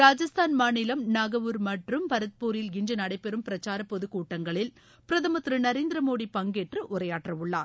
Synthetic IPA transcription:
ɾaːd͡ʒɐst̪ʰaːnmaːnɪlɐmnɐɣɐʋɯːɾmɐʈrɯmpɐɾɐt̪̚puːɾɪlɡɪnd͡ʒɯnɐɽɐɪpɛɾɯmpɪɾɐt͡ʃːaːɾɐpɔðɯkːuːʈːɐŋɡɐɭɪl | pɪɾɐðɐmɐt̪ːɾɯnɐɾeːnd̪ɪɾɐmoːɽipɐŋɡeːʈrɯʔʊɾɐjaːʈrɐʋʊɭːa̰ːɾ

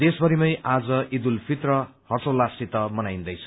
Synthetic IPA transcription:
d̪esbʌɾimʌjʔad͡zʌʔid̪ulpʰit̪rʌhʌrsolːasit̪ʌmʌnajnd̪ʌjt͡sʰʌ̥

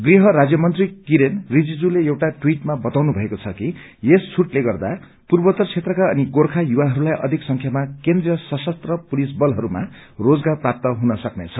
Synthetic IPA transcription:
ɡriɦʌɾad͡zjʌmʌnt̪rikiɾenrid͡zid͡zuleewʈaʈwiʈmabʌt̪awnubʱʌekot͡sʰʌki | esːʰuʈleɡʌrd̪a | purbʌt̪ʌrt͡sʰet̪rʌkaʌniɡorkʰajuwaɦʌɾulajʔʌ̰d̪ʱiksʌŋkʰjamakend̪rijʌsʌsʌst̪rʌpulisbʌlɦʌɾuma̰rod͡zɡarprap̚t̪ʌɦunʌsʌknet͡sʰʌ

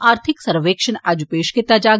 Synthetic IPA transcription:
aːɾt̪ʰɪksɐɾʋeːkʃənad͡ʒupeːʃkɪt̪ːaːd͡ʒaːɡ

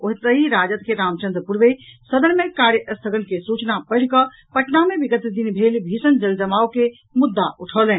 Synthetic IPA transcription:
oɦit̪əɦiɾad͡ʒət̪keɾamt͡ʃə̃nd̪ɾəpuɾbesəd̪ənmekaɾjəʔəst̪ʰəɡənkesut͡ʃnapəɪɽ̤kə | pəʈnamebiɡət̪d̪inbʱelbʱisənd͡ʒəld͡ʒəmaoke | mud̪ːaʔuʈʰəlɛn

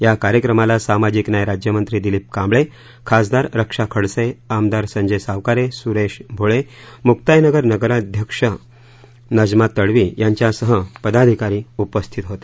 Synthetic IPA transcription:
jakaɾjəkɾəmalasamad͡ʑiknajɾad͡ʑjəmənt̪ɾiːd̪iliːp̚kãmbɭe | kʰasd̪aɾɾəkʂakʰəɽseamd̪aɾsə̃ɲd͡ʑesaʋkaɾesuɾeɕbʱoɭemuk̚t̪ajnəɡəɾnəɡəɾad̪ʱjəkʂə | nəd͡ʑmat̪ːəɽʋiːjaɲt͡ɕjasəɦəpəd̪ad̪ʱikaɾiːupəst̪ʰit̪ɦot̪e̥

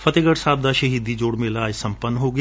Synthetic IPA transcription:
fʰɐt̪eɡəɽsaːb̚d̪aːʃɐɦiːd̪id͡ʒoːɽmẽlaːd͡ʒsɐ̃mpənːɦoːɡɐ

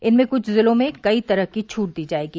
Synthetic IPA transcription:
ɪnmẽkʊt͡ʃʰzɪlõmẽkɐit̪ɐɾəɦkit͡ʃʰuːʈ̚d̪iːd͡ʒaːeːɡiː

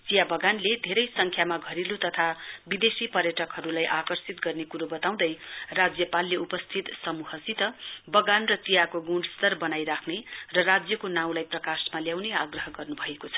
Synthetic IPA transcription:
t͡sijabʌɡanled̪ʱeɾʌjsʌŋkʰjamaɡʱʌɾilut̪ʌt̪ʰabid̪esipʌrjʌʈʌkɦʌɾulajʔakʌrsit̪ɡʌrnekuɾobʌt̪aw̃d̪ʌjrad͡zjʌpalːeupʌst̪ʰit̪sʌmuɦʌsit̪ʌbʌɡanrʌt͡sijakoɡũɖst̪ʌrbʌnajɾakʰnerʌrad͡zjʌkonaw̃lajprʌkasmaljawneaɡrʌɦʌɡʌrnubʱʌekot͡sʰʌ̥

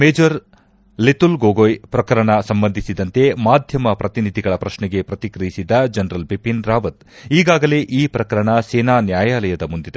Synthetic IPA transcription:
meːd͡ʒɐɾ | let̪ulɡoːɡojpɾɐkɐɾɐɳɐsɐmbɐnd̪ʱisid̪ɐnt̪e̞maːd̪ʱjɐmɐpɾɐt̪inid̪ʱiɡɐɭɐpɾɐʃnɛɡe̞pɾɐt̪ikɾɐjisid̪ːɐd͡ʒɐnɾɐlbipinɾaːʋɐt̪iːɡaːɡɐle̞ʔiːpɾɐkɐɾɐɳɐsɛːnaːnjaːjaːlɐjɐd̪ɐmund̪id̪e

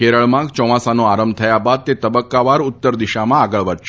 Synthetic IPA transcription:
keɾəɭmãɡt͡ʃɔ̃ʋãsanoaɾəmbt̪ʰəjabad̪̚t̪et̪əbəkːaʋaɾʊt̪ːəɾd̪iʃamãaɡəɭʋəɾʃ

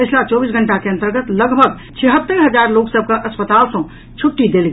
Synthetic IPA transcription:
pət͡ʃʰlat͡ʃɔːbisɡʱəɳʈakeɐ̃nt̪əɾɡət̪ləɡbʱəɡ | t͡ʃʰeɦət̪ːəɾɦəd͡ʒaɾloːksəb̚ʱkaʔəspət̪aːlsɔ̃ | t͡ʃʰuʈːid̪eːlɡ

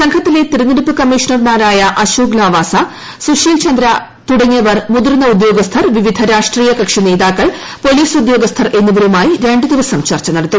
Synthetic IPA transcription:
sɐŋkʰɐt̪ːile̞t̪iɾɐnːɐɾipːɨkɐmːiːʂɐnɐrmaːɾaːjɐʔɐɕuːɡlaːʋaːsɐ | suʂjiːlt͡ɕɐnd̪ɾɐ | t̪uɽɐɲːjɐʋɐrmud̪uɾnɐud̪jo̞ːɡɐst̪ʰɐrʋiʋid̪ʱɐɾaːʂʈriːjɐkɐkʂine̞ːðaːkːɐɭ | po̞liːsud̪jo̞ːɡɐst̪ʰɐrʔe̞nːuʋɐɾumaːjiɾe̞ɳɖɨd̪iʋɐsɐmt͡ɕɐrt͡ɕːɐnɐɽɐt̪ːu

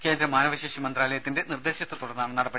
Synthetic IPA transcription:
ke̞ːnd̪ɾɐmːaːnɐʋɐɕeːʂimɐnd̪raːlɐjɐt̪ːinde̞nird̪e̞ːɕɐt̪ːɐt̪uɽɐrnːaːmnɐɽɐpːɐ

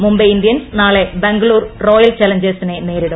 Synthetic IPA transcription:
mumbeind̪ijɐnsnaːɭe̞beŋɡɐɭuːrro̞ːjɐlt͡ɕɐlɐɲd͡ʑestinene̞ːɾiɽum

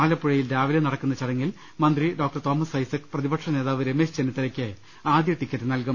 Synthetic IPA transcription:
aːlɐpːuɻɐjildaːʋilɐnɐɽɐkːunːɐt͡ɕɐɽɐŋːil | mɐnd̪riɖoːk̚ʈɐrt̪o̞ːmɐsɐjsɐkːɨ̥prɐðibɐkʈʂɐneːðaːʋɨɾeme̞ːɕt͡ɕenit̪ːɐɾɐkʲːɨ | aːd̪jɐʈːikʲːɐt̪ːɨnɐlkɐm

